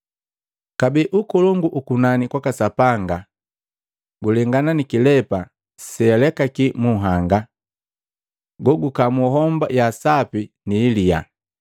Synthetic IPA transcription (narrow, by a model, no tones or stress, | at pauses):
kabiʔukɔlɔŋɡuʔukunanikwakasapaŋɡa | ɡulɛŋɡananikilɛpa | sɛalɛkakimuɦaŋɡa | ɡɔɡukamuɦɔmba̰jasapi | niːlia̰